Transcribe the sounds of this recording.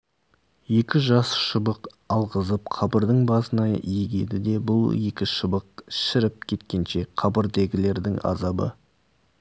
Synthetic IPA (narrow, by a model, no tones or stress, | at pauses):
je̞kʲɪʒɑsʃəbəq | ɑlˠʁəzəp̚qʰɑbəɾd̪əɴbɑsənɑ̰eɡʲe̞d̪ɪd̪e̞bʊlˠje̞kʲɪʃəbəq̚ʃɪɾɪp̚kʲʰe̞t̪̚kʲe̞nʃe̞qʰɑbəɾd̪e̞ɡʲɪle̞ɾd̪ɪŋɑ̰zɑbə̰